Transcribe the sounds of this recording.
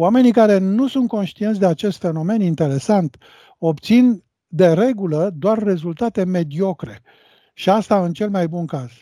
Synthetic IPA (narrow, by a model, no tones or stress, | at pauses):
wame̞nikaɾe̞nusunt̪̚ko̞nʃt̪int̪s̬ʲd̪eat͡ʃe̞st̪fe̞no̞me̞nint̪e̞ɾe̞sant̪ | o̞pt̪sin | d̪e̞ɾe̞ɡuləd̪oarːe̞zult̪at̪e̞me̞d̪io̞kɾe̞ | ʃiast̪aɨnt͡ʃe̞lmajbunkaz̥